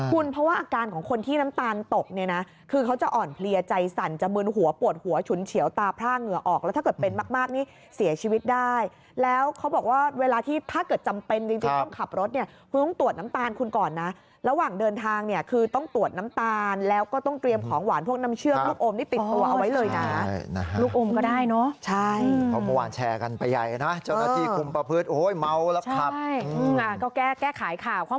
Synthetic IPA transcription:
kʰu˧npʰɾɔ˦˥waː˥˩ʔaː˧kaː˧nkʰɔː˩˦ŋkʰo˧nt̪ʰiː˥˩na˦˥mt̪aː˧nt̪o˨˩k̚ni˥˩na˦˥ | kʰɯː˧kʰa˦˥wt͡ɕa˨˩ʔɔː˨˩npʰli˧ɐt͡ɕa˧jsa˨˩nt͡ɕa˨˩mɯː˧ŋɦu˩˦ɐpu˨˩ət̪̚hu˨˩˦ɐt͡ɕʰu˨˩˦nt͡ɕʰi˨˩˦əwt̪aː˧pʰɾaː˥˩ŋɯ˨˩əʔɔː˨˩k̚lɛ˧˦˥t̪ʰaː˥kɤː˨˩t̪̚pe˧nmaː˥˩k̚maː˥˩k̚niː˥˩ | si˨˩˦ɐt͡ɕʰiː˧wi˦˥t̪̚daː˥˩j | lɛː˦˥wkʰa˦˥wbɔː˨˩k̚waː˥˩weː˧laː˧t̪ʰiː˥˩t̪ʰaː˥˩kɤː˨˩t̪̚t͡ɕa˧mpe˧nt͡ɕɯ˧ŋt͡ɕi˧ŋt̪ɔ˥˩ŋkʰa˨˩p̚ɾo˦˥t̪̚ni˥ɐkʰu˧nt̪ɔ˥˩ŋt̪u˨˩ət̪̚na˦˥mt̪aː˧nkʰu˧nkɔː˨˩nːa˦˥ | ɾa˧waː˨˩ŋdɤː˧nt̪ʰaː˧ŋni˥˩ɐkʰɯː˧t̪ɔ˥˩ŋt̪u˨˩ət̪̚na˦˥mt̪aː˧nlɛː˦˥wkɔː˥˩t̪ɔ˥˩ŋt̪ɾi˧əmkʰɔː˩˦ŋwaː˩˦npʰu˥˩ək̚na˦˥mt͡ɕʰɯ˥˩əluː˥˩kʔoː˧mniː˥˩t̪i˨t̪ːu˧ɐʔa˧wa˦˥jlɤː˧jna˦˥jna˦˥a˦luː˥˩k̚ʔoː˧mkɔː˥˩daː˥˩jnɔ˦˥t͡ɕʰa˥˩jpʰɔ˦˩ma˧wa̰ː˧nt͡ɕʰɛ̰ː˧ka˧npa˧jːa̰˨˩jna˦˥t͡ɕa˥˩naː˥˧iː˧˩kʰu˧mpɾa˧pʰɯ˦˥˩t̪̚ʔoː˧˦˥jma˦˥wlɛ˦˥aa˨˩˥jɯː˧ʔa˨˩kɔː˥˩kɛː˥˩kɛː˥˩kʰaː˨˩˦jkʰaː˨˩wkʰaː˥˩

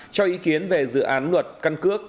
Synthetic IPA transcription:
t͡ɕɔ˧ʔi˨˦ki˨˦ənve˨˩zɨ̰˧˨ʔaː˨˦nlwə˨˩t̚ka˧nkɨ˦˥ək̚

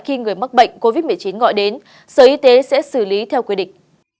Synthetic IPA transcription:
xi˧ŋɨ˨˩əjmə˦˥k̚ɓə̰˧˨jŋ̟ko˧vi˦˥t̚m˨˩jt͡ɕi˨˦nɣɔ̰˧˨jɗe˨˦n | səː˨˩ʔi˧t̪e˨˦sɛ̰˧˥sɨ˧˩li˨˦t̪ʰɛ˧wkwi˧ɗḭ̈˧˨ŋ̟

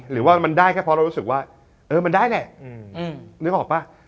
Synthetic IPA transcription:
ɾɯː˩˦waː˥˩ma˧ndaː˥˩jkʰa˦˥˩pʰɔ˧ɾa˧wɾu˦˥sɯ˨˩k̚waː˥˩ | ʔɤː˧ma˧ndaː˥˩jlɛ˨˩ʔnɯː˧˦˥ʔɔː˨˩k̚pa˧˩

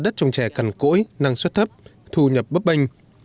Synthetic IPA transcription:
ɗə˦˥t̚t͡ɕɔ˧wŋ͡mt͡ɕɛ˧˩ka˨˧˩nko̰˧˥jna˧ŋswə˦˥t̚t̪ʰə˦˥p̚t̪ʰu˧ɲə˨˩p̚ɓə˦˥p̚ɓï˧ŋ̟

